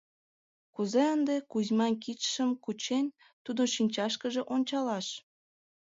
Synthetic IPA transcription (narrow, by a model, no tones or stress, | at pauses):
kuzeənd̪ekuzʲmɑnkitʃəmkut͡ɕenʲ | t̪ud̪ənʃinʲt͡ɕɑʃkəʒĕʔonʲt͡ɕɑlɑʃ